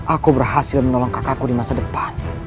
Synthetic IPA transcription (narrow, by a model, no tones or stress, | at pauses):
ʔakubərɦasɪlmənɔlɔŋkakakudimasadəpan